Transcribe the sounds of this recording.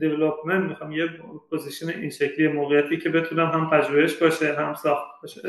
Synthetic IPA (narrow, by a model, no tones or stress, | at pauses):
d̪evelopʰmenmixɒjmjepʰozisjoneʔinʃecʰliːjemoːɣejæt̪ʰiːcʰe̞be̞t̪ʰuneɦæmpʰæʒuːhe̞ʃbɒːʃeɦæmsɒːxt̪̚bbɒʃe